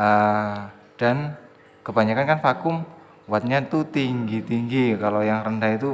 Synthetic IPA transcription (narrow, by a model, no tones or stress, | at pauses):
ə | d̥an | kəbaɲakankanfakʊm | wat̪̚ɲat̪ut̪iŋɡit̪iŋɡikalojaŋrəndahit̪u